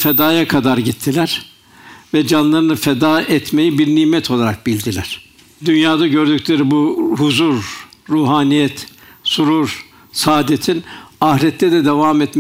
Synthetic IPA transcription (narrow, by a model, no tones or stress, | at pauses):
fɛd̪aːjakʰad̪aɾɟit̪ʰːilʲæɾ̥ | vɛd͡ʒanlˠaɾɯnɯfɛd̪aːʔɛt̪me̞jibiɾniːmɛt̪ʰo̞lˠaɾak̚bilʲd̪ilʲæɾ̥ | d̪ynjaːd̪aɟøɾd̪yclʲe̞ɾibuhuzuɾːuːɦaːnijɛt̪ | suɾuɾ | saːd̪et̪ʰinahɾɛt̪lːɛd̪ɛd̪ɛvamɛt̪m